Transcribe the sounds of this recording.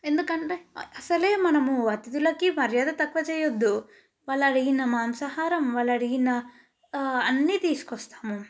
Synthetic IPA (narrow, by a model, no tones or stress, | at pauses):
end̪ukɐɳʈeɐsɐleːmɐnɐmuɐt̪id̪ulɐkːimɐɾjaːd̪ɐt̪ɐkʋɐt͡ʃɐjod̪ːu | ʋɐlɐɽiɡinːɐmaːmsɐɦaːɾɐmʋɐlɐɽiɡinːɐː | nːit̪iskɔst̪ḁːmu